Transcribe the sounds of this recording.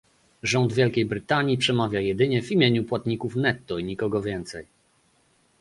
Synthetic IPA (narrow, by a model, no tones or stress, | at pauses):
ʐɔnd̪vʲjɛlkʲejbɾɘt̪aɲipʂɛmavʲjajɛd̪ɘɲɛvimʲjeɲupwat̪ɲikufnɛt̪ːɔiɲikɔɡɔvʲjɛnt̪sɛj